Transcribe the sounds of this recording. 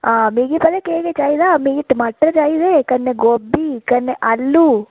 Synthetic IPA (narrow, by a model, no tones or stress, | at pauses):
aːmiɡipɐd̪ɐkeːɡet͡ʃaːjid̪aːmiɡiʈːmɐʈːɾɐt͡ʃaːjid̪eːkɐnːeɡobːikɐnːeʔɐlːu